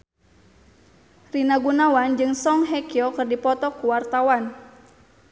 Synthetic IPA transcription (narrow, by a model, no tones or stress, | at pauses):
rinaɡunawand͡ʒɨŋsɔŋɦɛkiɔkɨrdipɔt̪ɔkuwart̪awan